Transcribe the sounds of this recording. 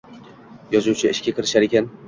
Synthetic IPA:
jɒzuwt͡ʃʰaɪʃkʲakɪɾɪ̥ʃaɾekʲan

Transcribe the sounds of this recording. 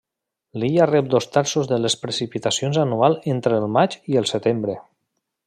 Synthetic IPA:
liarɛp̚d̪ost̪aɾsozðəlespɾesipit̪asionzanualˠent̪ɾeːlˠmad͡ʒiəlˠsət̪embɾe

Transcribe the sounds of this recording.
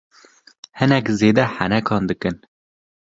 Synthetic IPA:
hɨnɛkzeːd̪ɛħænɛkʰɑːnd̪ɨkɨn

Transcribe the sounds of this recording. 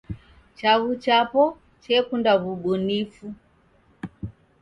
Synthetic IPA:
t͡ʃaɣut͡ʃapɔ | t͡ʃɛkundaβuɓɔnifu

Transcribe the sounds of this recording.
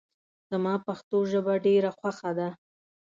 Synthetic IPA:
z̥amɑpaxt̪oʒəbaɖeɾaxwaxad̪a

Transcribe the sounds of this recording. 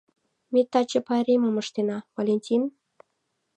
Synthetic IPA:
met̪ːɑt͡ɕə̆pɑɾʲeməməʃt̪enɑvalʲenʲtʲin

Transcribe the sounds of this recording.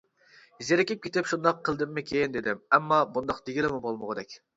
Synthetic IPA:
zeɾɪkʲɪp̚kʲʰet̪ɪpʃund̪ɑqʰːəlˠd̪ɪmːɪkʲʰejɪnd̪ed̪ɪmɛmːɑbund̪ɑqd̪eɡʲilɪmubolˠmʊʁəd̪ɛkʲ

